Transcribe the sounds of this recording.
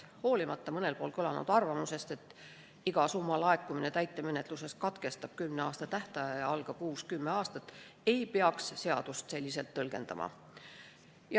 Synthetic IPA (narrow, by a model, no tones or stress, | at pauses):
ho̞ːlʲimɑt̪ːɑmɤne̞lpo̞ːlkølɑ̰nṵd̪̥ɑrvɑmuse̞st̪e̞t̪ːˑ | iɡ̥ɑsumːɑlɑe̞kːˑumine̞t̪æjt̪ˑːe̞me̞ne̞t̪ˑluse̞skɑt̪ke̞st̪ɑb̥kymneɑːst̪ɑt̪æht̪ɑjɑjɑɑlɡ̥ɑkuːskymːeɑːst̪ɑt̪ːˑe̞jpeɑksse̞ɑ̰d̪̥ust̪se̞lʲːise̞lt̪ːɤlɡ̥e̞̰nd̪̥ɑ̰mɑ̰ | j